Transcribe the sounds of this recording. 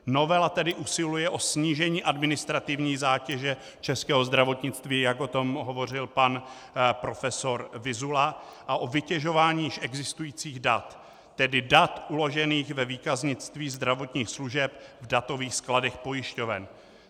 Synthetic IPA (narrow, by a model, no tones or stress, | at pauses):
no̞vɛlat̪ɛdɪʔusɪlujɛʔo̞sɲiːʒɛɲiːʔadmɪnɪst̪ɾat̪ɪvɲiːzaːcɛʒɛ | t͡ʃɛskɛːɦo̞zd̪ɾavo̞t̪ɲɪt͡st̪viːjaɡo̞t̪o̞mɦovo̞r̝ɪlpan | pɾo̞fɛso̞ɾvɪzulaʔaʔo̞vɪcɛʒo̞vaːɲiːjɪʃʔɛɡzɪst̪ujiːt͡siːɣdat̪ː | ɛdɪdat̪ʔulo̞ʒɛniːxvɛviːkazɲɪt͡st̪viːzd̪ɾavo̞t̪ɲiːxsluʒɛp̚vdat̪o̞viːxskladɛxpo̞jɪʃco̞vɛ̰n